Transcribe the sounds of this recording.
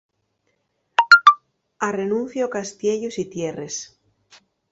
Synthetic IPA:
arenũn̟θjaokast̪jeʎosit̪jeres

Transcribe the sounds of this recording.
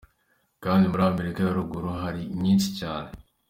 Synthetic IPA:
kaːndimuɾame̞ɾikajaɾuɡuɾuɦaɾiɲiːnsicaːne

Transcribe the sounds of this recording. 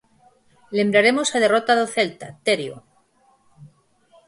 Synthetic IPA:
le̞mbɾaɾe̞mosað̞e̞rot̪aðoθe̞lt̪at̪eɾjo̰

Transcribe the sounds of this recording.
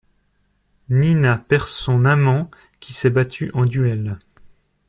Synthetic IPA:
ninapɛʁsɔ̃namɑ̃ | kʲisɛbat̪ʰyʔɑ̃d̪yɛl

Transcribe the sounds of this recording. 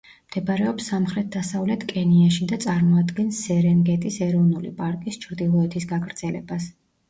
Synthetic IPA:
md̪̥ɛbaɾɛɔpsːamχɾɛt̪̚ʰd̪asavlɛt̪ʰkʼɛniaʃid̪at̪sʼaɾmɔad̪ɡɛnsːɛɾɛŋɡɛt̪ʼisɛɾɔvnulḭpʼaɾkʼist͡ʃʰɾd̪ilˠɔɛt̪ʰisɡakʰɾd̪z̥ɛlɛ̰bas

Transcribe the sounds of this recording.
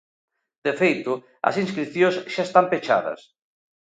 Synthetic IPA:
d̪̥efejt̪ʊ | ɐ̰sinskɾiθjõsʃaest̪ampet͡ʃa̰ðɐ̰s

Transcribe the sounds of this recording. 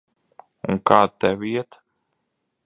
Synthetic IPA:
unkaːt̪ɛvʲiɛt̪

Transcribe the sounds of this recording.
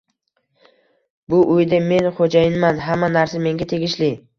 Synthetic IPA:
bʊʔʊjd̪ɪme̞nχod͡ʒajɪnmanɦamːanaɾsame̞ŋɡʲat̪ʰe̞ɡʲɪʃlɪ

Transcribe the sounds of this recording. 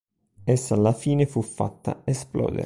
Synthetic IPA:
esːaːlːafiːnefufːa̰t̪ːa̰esplɔ̰ːd̪ḛɾ

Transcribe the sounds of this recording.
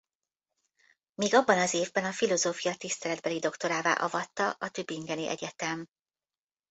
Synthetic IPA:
miːɡɒbːɒnɒzeːvbɛnɒfilo̞zoːfijɒt̪ist̪ɛlɛd̪bɛlid̪o̞kt̪o̞ɾaːva̰ːʔɒ̰vɒt̪ːɒʔɒt̪øbːiŋɡɛniʔɛ̰ɟɛt̪ɛm

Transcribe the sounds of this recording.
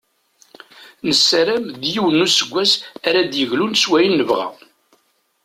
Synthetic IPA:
nəsːɾæmd̪jiwənːusəɡʷːæsæɾæd̪jəʝlunswæjənːəvʁæ̰

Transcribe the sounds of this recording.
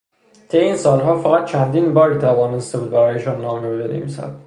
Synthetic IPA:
t̪ʰejeiːnsɒːlɦɒːfæɣæt̪̚t͡ʃʰænd̪iːnbɒːɾiːt̪ʰævɒːne̞st̪e̞buːd̪̚bæɾɒːjeʃɒːnːɒːmiobed̪ḛmḭsæ̰d̪̥

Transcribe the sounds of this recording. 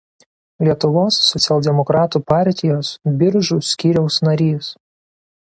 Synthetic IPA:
lʲiɛt̪ʊʋoːsːɔt̪sʲɛlˠʲd̪ʲɛmɔkɾɑːt̪uːpɑˑɾʲt̪ʲɪjoːsbʲɪɾʒʊsʲkʲiːɾʲɛʊsnɐɾʲiːs

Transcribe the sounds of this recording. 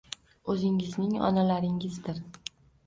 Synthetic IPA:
ɵzɪŋɪznɪŋɒ̰nalaɾɪŋɪzd̪ɪɾ

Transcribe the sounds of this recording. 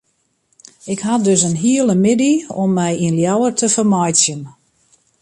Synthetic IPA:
ɪkɦadøsənɦiələmɪdiɔmːɛjinljawərtʰəfərmɔjtsjən

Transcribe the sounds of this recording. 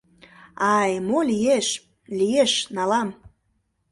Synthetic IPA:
ɑjmolijeʃ | lijeʃnɑlɑm

